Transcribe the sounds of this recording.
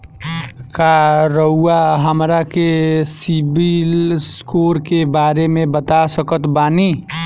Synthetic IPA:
kaɾəuaɦəmɾakesibilskoːɾkebaːɾemẽbət̪asəkət̪baːni

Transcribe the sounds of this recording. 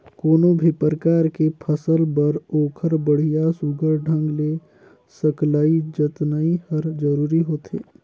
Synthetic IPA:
koːnobʱipɾəkaːɾkepʰəsəlbəɾoːkʰəɾbəɽ̤ijasuɡʱəɾɖʱə̃ŋɡle | səklaːid͡ʒət̪naĩhəɾd͡ʒəɾuːɾiɦoːt̪ḛː

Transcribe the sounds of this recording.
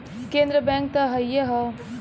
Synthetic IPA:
kẽːnd̪ɾəbɛ̃ːŋk̚t̪ɐɦɐjjeɦɔ

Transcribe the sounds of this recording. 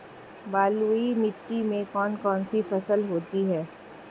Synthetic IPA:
baːluimɪʈːimẽkɔːnkɔːnsifɐsəlɦoːt̪iɦɛː

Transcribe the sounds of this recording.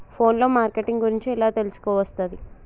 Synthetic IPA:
pʰo̞ːnlo̞ːmaːɾkeʈːiŋɡɡuɾiɲt͡ʃiɛlaːt̪elusu̥kɔːʋɐst̪ɐd̪i

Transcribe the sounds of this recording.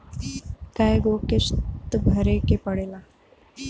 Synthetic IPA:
kajɡokɪst̪bʱɐɾekepəɽeːla

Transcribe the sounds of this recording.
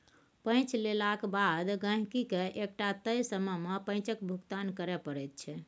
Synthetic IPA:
pə̃jt͡ʃʰlelakebad̪ɡə̃ɦkikeʔek̚ʈat̪əjsəməmepə̃j̃t͡ʃəkbʱukt̪ankəɾɛpəɾɛt̪̚t͡ʃʰɛ

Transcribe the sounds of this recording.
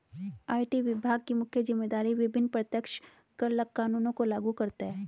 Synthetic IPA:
aːɪʈiʋɪbʱaːɡ̚kimʊkʰjəzɪmːeːd̪aːɾiʋɪbʱɪnːpɾət̪jəkʃ | kɐɾləkːaːnuːnõkolaːɡukɐɾt̪eɦɛː

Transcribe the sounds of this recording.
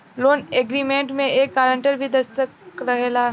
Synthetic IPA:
loːneɡɾiːmẽːɳʈmẽeːkːaːɾəɳʈəɾbʱid̪ɐst̪əkɾɐɦelaː

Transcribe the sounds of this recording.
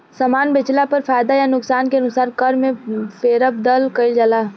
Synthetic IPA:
samaːnbɪt͡ʃlapɐɾfaːjd̪ajanʊksaːnkeɐnʊsaːɾkɐɾmẽfeːɾəb̚d̪ɐlkəɪld͡ʒalaː

